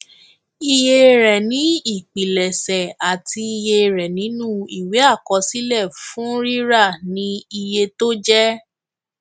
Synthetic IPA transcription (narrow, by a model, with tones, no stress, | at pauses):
i˧je˦˧ɾɛ˨nĩ˨˦i˦˨k͡pi˨lɛ˨sɛ˨a˨ti˧i˧je˧ɾɛ˨nĩ˨˦nũ˦i˨we˨˦a˦˨kɔ˧˦si˦lɛ˦˨fũ˨˦ɾi˦ɾa˦˨nĩ˦i˧je˧to˦d͡ʒɛ˦